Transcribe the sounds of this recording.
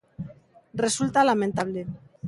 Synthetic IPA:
re̞sult̪alament̪aβ̞le̞

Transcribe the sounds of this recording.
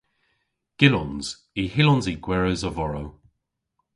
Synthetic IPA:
ɡ̥ɪlɔnz̥ | ihɪlɔnziɡ̥wɛɹəzəvɔɹo

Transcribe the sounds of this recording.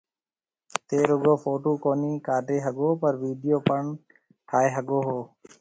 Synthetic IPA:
t̪eːɾʊɡoːfoːʈoːkoːniːkaːʈeːɦəɠoːpəɾʋiːɖɪjoːpəɳ | ʈʰaːeːɦəɠoːɦoː

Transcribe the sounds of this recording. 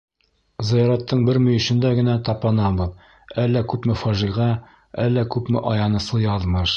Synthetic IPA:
zɘ̆jɑɾɑt̪ːɤɴbɘɾmɵ̆jɵ̆ɕɘ̆nd̪æɡɘ̆næt̪ɑpɑnɑbɤð | ælːækʉpmɘfɒʒiʁɑ | ælːækʉpmɘ̰ʔɒjɑnɤ̆slˠɤjɑðmɤʃ

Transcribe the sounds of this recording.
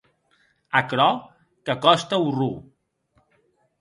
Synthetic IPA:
əkɾɔ | kəkɔst̪əuru

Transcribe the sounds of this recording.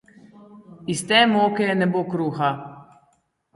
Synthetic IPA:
ist̪ɛːmoːkɛjɛnɛbokɾuːxa

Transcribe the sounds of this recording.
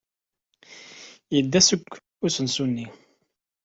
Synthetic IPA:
jəd̪ːæsəkʷː | ʊsənsunːi

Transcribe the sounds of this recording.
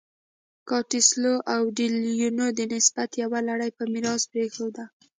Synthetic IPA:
kɑʈɪsloʔawɖiljunod̪ənɪsbat̪jawalaɽajpəmɪɾɑzpɾexod̪a

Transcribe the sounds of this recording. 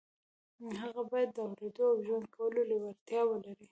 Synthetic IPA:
ɦaɣabɑjad̪ːəawled̪oawʒwand̪̚kʰawəlolewaɾt̪jɑwəlaɾi

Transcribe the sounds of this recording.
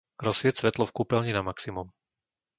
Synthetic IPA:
ɾɔsʋɪɛtsʋɛt̪lɔfkuːpɛlɲinamaksimum

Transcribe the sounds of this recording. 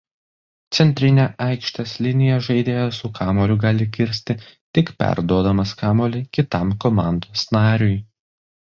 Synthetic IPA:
t̪sʲɛnʲt̪ʲɾʲɪnʲɛʔɑɪkʃʲt̪ʲɛslʲɪnʲɪjɛʒɐɪd̪ʲeːjɛsʊkʰɑːmoːlʲʊɡɑːlʲɪkʲɪɾʲsʲt̪ʲɪt̪ʲɪkpʲæ̰ɾd̪uɔd̪ɐmɐskɑːmoːlʲɪkʲɪt̪ɑmkɔmɑˑnd̪oːsnɑːɾʲʊj

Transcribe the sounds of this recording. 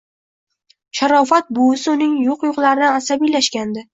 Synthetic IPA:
ʃaɾɒfat̪̚bʊɪsɪʊnɪŋjoqjoqlˠaɾɪnɪasabijlaʃkʲand̪ɪ

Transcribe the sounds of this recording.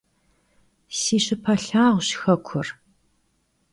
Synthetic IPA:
siːɕɪpʰɐɬaːʁʷɕxɐkʷʰʊr

